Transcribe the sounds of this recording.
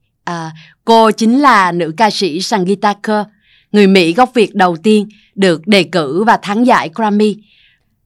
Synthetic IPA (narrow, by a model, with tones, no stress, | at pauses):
ʔəː˨˩ | ko˧t͡ɕï˨˦ŋ̟laː˨˩nɨ̰˧˥kaː˧sḭ˧˥saː˧ŋɣi˧t̪aː˧kəː˧ | ŋɨ˨˩əjmḭ˧˥ɣa˦˥wk͡p̚vi˨˩ək̚ɗə˨˩wt̪i˧ən | ɗɨ˨˩ək̚ɗe˨˩kɨ˧˥vaː˨˩t̪ʰaː˨˦ŋza̰ː˧˥jkaː˧mi˧